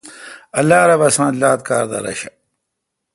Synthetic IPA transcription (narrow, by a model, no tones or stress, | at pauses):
ɐlːaːɾɐbɐsãːt̪laːt̪̚kaːɾd̪ɐ̰ɾɐ̰ɕɐ